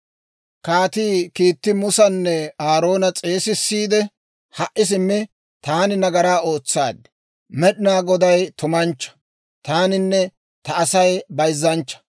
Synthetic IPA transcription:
kaːt̪iːkiːt̪ːɪmʊsɐnːɛaːɾo̞ːnɐt͡sʼe̞ːsɪsːiːd̪ɛ | hɐʔːɪs̬ɪmːɛ | t̪aːnɪnɐɡɐɾaːoːt͡sːa̰ːd̪ | mɛɗɪnaːɡɔd̪ɐjt̪ʊmɐnt͡ʃːɐ̥ | t̪aːnɪnːɛ | t̪ɐːsɐjbɐjzːɐnt͡ʃːɐ̥

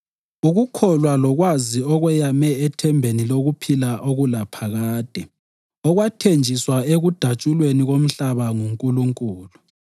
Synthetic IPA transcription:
uɣukʰɔlwalɔɣwaziɔɣwɛjamɛɛtʰɛmbʱeniloɣupʰilaʔoɣulapʰaɣaːd̥ʱɛ | ɔɣwatʰend͡ʒʱiswaeɣud̥ʱat͡ʃʼulweniɣom̩ɬaβaŋuŋkʼuluŋkʼuːlu

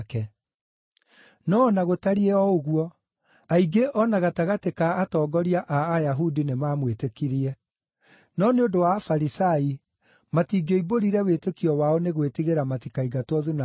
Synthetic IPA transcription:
kɛ | nɔːnaɣotaɾiɛɔoɣwɔ | aiɡeʔɔnaɣataɣatekaːtɔːɡɔɾiaʔaːjaɦudinemaːmwetekiɾiɛ | nɔneodowafaɾisai | matiːɡɔiboɾiɾɛwetekiɔwaɔneɣwetiɣeɾamatikaiɡatwɔðuna

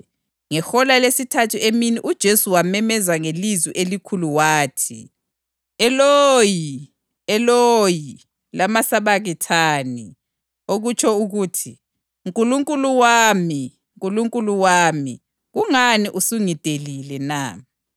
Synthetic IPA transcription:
ŋɛxɔlalesitʰatʰueminiʔud̥ʒ̥ʱesuwamɛmɛzaŋelizwiʔelikʰuluwaːtʰi | ɛloji | ɛloji | lamasaβaɣitʰani | oɣut͡ʃʰʼɔuɣutʰi | ŋkʼuluŋkʼuluwaːmi | ŋkʼuluŋkʼuluwami | ɣuŋaniʔusuŋitelilɛna

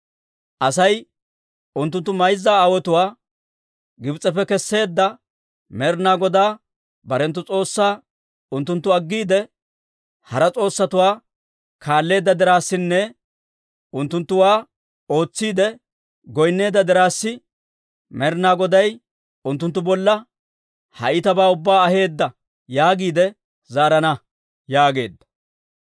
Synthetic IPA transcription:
ʔɐsɐj | ʊnt̪ːʊnt̪ːʊmɐjzːaːaːwɔt̪ʊwaː | ɡɪbt͡sʼːɛfɛkɛsːe̞ːd̪ːɐ | mɛɾnaːɡɔd̪aː | bɐɾɛnt̪ːʊt͡sʼo̞ːsːaː | ʊnt̪ːʊnt̪ːʊɐɡːiːd̪ɛ | hɐɾɐt͡sʼo̞ːsːɐt̪ʊwaː | kʰaːlːe̞ːd̪ːɐd̪ɪɾaːsːɪnːɛ | ʊnt̪ːʊnt̪ːʊwaː | o̞ːt͡sːiːd̪ɛ | ɡɔjnːe̞ːd̪ːɐd̪ɪɾaːsːɪ | mɛɾnaːɡɔd̪ɐj | ʊnt̪ːʊnt̪ːʊbɔlːɐ | hɐ̰ʔɪt̪ɐbaːʊbːaːɐhe̞ːd̪ːɐ | jaːɡiːd̪ɛ | zaːɾɐnɐ | jaːɡe̞ːd̪ːɐ̥

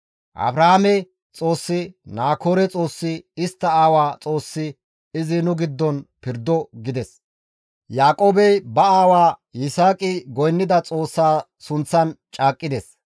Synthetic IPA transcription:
ʔɐ̰bɾɐhamɛ | t͡sʼo̞ːsːɪnaːkʰoːɾɛt͡sʼo̞ːsːɪɪst̪ːɐaːwaːt͡sʼo̞ːsːɪ | ɪzɪnʊɡɪd̪ːɔnpɪɾd̪ːɔɡɪd̪ɛs | jaːkʼo̞ːbɛjbɐaːwaːɪsaːkʼɪɡɔjnːɪd̪ɐt͡sʼo̞ːsːaː | sʊnt͡sːɐnt͡ʃʼaːkʼːɪd̪ɛs

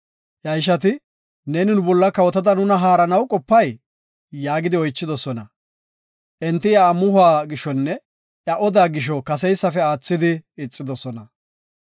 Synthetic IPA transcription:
ʔɐjʃɐt̪ɪ | neːnɪnʊbɔlːɐkɐwɔt̪ɐd̪ɐnʊnɐɦaːɾɐnɐwkʼɔpːɐj | jaːɡɪd̪ɪɔjt͡ʃːɪd̪ɔsɔnɐ | ʔɛnt̪ːɪjaːmʊhʊaːɡɪʃːɔnːɛ | ʔjɐʔɔd̪aːɡɪʃ̬ɔkɐs̬ɛjsːɐfɛaːt͡sːɪd̪ɪɪt͡sʼːɪd̪ɔsɔnɐ

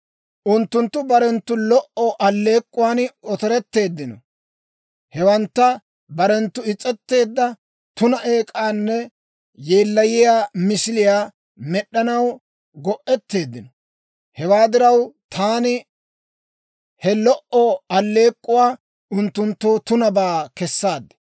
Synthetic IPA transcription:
ʔʊnt̪ːʊnt̪ːʊbɐɾɛnt̪ːʊlɔʔɔʔɐlːe̞ːkʼːʊwaːnɔt̪ɔɾɛt̪ːe̞ːd̪ːɪnɔ̰ | hɛwɐnt̪ːɐ | bɐɾɛnt̪ːʊɪt͡sʼːɛt̪ːe̞ːd̪ːɐ | t̪ʊnɐʔe̞ːkʼaːnːɛ | je̞ːlːɐjɪjaːmɪsɪlɪjaː | mɛɗːɐnɐw | ɡɔʔɛt̪ːe̞ːd̪ːɪnɔ | hɛwaːd̪ɪɾɐwt̪ʰaːnɪ | hɛlɔʔɔɐlːe̞ːkʼːʊwaː | ʊnt̪ːʊnt̪ːoːt̪ʊnɐbaːkɛsːaːd̪ːɛ̥

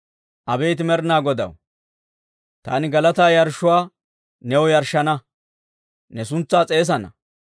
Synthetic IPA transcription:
ʔɐbejːt̪̬ɪmɛɾnaːɡɔd̪ɐ̰w | t̪a̰ːnɪɡɐlɐt̪aːjɐɾʃʊwaː | nɛwɔjɐɾʃɐnɐ | nɛsʊnt͡sːaːt͡sʼe̞ːs̬ɐnɐ̰

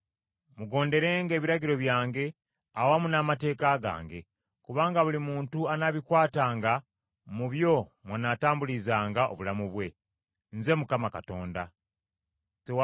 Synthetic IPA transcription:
muɡo̞ːnde̞ɾe̞ːŋɡe̞ːβiɾaɟiɾo̞βjaːŋɡe̞ | awamunamate̞ːkaɡa̰ːŋɡe̞̰ | kuβaːŋɡaβulimuːntuanaβikwaːtaːŋɡa | muβjo̞mwanaːtaːmbulizaːŋɡao̞̰βulamuβwe̞ | nze̞mukamakato̞ːnda | tew

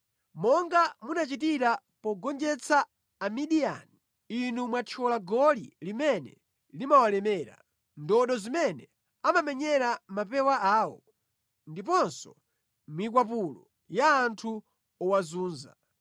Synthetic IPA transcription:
mɔŋɡamunat͡ʃit̬iɾa | pɔɡɔnd͡ʒɛt͡sʰaː | miɗia̰ni | inumwat͡ʃʰɔlaɡɔlḭlimɛnɛ̰ | limawalɛmɛːɾa̰ | ndɔɗɔzimɛnɛ | amamɛɲɛɾamapɛwaaːwɔ | ndip̬ɔnsɔ | mik̬wap̬ulɔ̰ | jaːntʰu | ɔwazuːnza̰

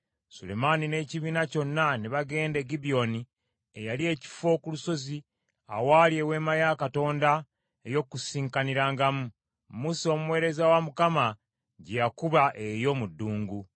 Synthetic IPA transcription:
sṵle̞̰manine̞ːciβiːnaco̞nːaniβaɡe̞ːnde̞ɡibio̞ni | ejalie̞ːci̥fo̞kuluso̞zi | a̰waːlje̞we̞ːmajakato̞ːnda | ejo̞kusiːŋkaniɾaːŋɡamu | muso̞mumwe̞ːɾe̞zawamukama | ɟejakuβaʔejo̞mudːuːŋɡu

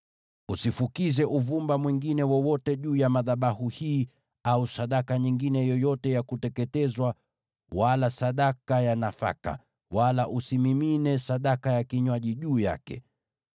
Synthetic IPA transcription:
usifukizɛʔuvumbamwiŋɡinɛwɔwɔtɛʄuːjamaðaɓahuhiː | ausaɗakaɲiŋɡinɛjɔjɔtɛjakutɛkɛtɛzwa | walasaɗakajanafa̰ka̰ | walaʔusimiminɛsaɗakajakiɲwaʄiʄuːja̰kɛ̰

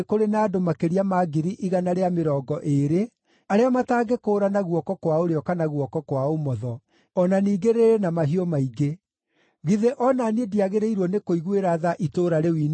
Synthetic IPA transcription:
koɾenaːdomakeɾiamaɡiɾiʔiɣanaɾeameɾɔːɡɔʔeɾe | aɾeamataːɡekoːɾanaɣwɔkɔkwaoɾeɔkanaɣwɔkɔkwaomɔðɔ | ɔnaniːɡeɾeɾenamaɦiɔmaiɡe | ɣiðeʔɔnaniediaɣeɾeiɾwɔnekoiɣweɾaðaʔitoːɾaɾewiːn

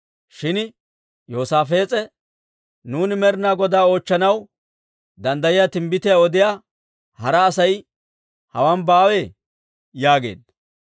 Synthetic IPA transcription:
ʃɪn | joːsaːfe̞ːt͡sʼɛ | nuːnɪmɛɾɪnaːɡɔd̪aːo̞ːt͡ʃːɐnɐw | d̪ɐnd̪ɐjɪjat̪ɪmbɪt̪ɪjaɔd̪ɪjaː | hɐɾɐːsɐj | hɐ̰wɐnbaːwe | jaːɡe̞̰ːd̪

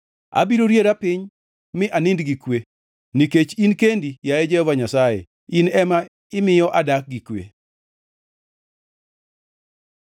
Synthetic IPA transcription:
a̰biɾoɾjeɾapɪɲ | mɪʔanɪndɡikwe | niket͡ʃinkendijajɛd͡ʒɛhɔvaɲasajḛ | inɛma | ɪmɪjɔʔadak̚ɡikwḛ

